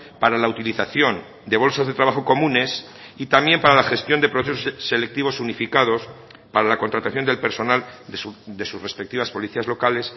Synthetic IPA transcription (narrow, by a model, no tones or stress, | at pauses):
paɾalaut̪iliθaθjo̞n | d̪e̞β̞o̞lsazðe̞t̪ɾaβaxo̞ko̞mũne̞s | it̪ambje̞mpaɾalaxe̞st̪jo̞nd̪e̞pɾo̞θe̞sossːe̞le̞k̚t̪iβo̞sunifikaðo̞s | paɾalako̞nt̪ɾat̪aθjo̞nd̪elpe̞ɾso̞nald̪d̪e̞susre̞spek̚t̪iβaspo̞liθiazlo̞kale̞s